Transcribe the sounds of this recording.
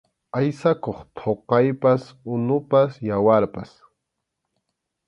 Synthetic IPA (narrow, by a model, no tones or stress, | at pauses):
ajsakoχt̪ʰoqɑjpasʊnʊpasjawaɾpas